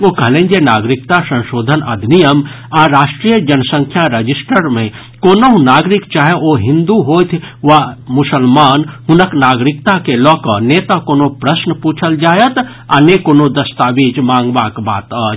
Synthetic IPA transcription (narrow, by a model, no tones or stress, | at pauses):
okəɦlẽːnd͡ʒenaːɡɾɪkt̪asə̃nʃoːd̪ʱənɐ̰d̪ʱnijəm | aɾaːʃʈɾijəd͡ʒənəsə̃ŋkʰjaɾəd͡ʒisʈəɾmẽ | koːnoɦũnaːɡɾikt͡ʃaːɦeoɦɪ̃nd̪uɦoːt̪ʰʋamʊsəlmaːnɦʊnəknaːɡɾɪkt̪akelɔːkɔnet̪akoːnopɾəsnəpuːt͡ʃʰəld͡ʒaːjət̪ | a̰ːnekoːnod̪ɐst̪aːbid͡ʒmãːŋɡbakba̰ːt̪ə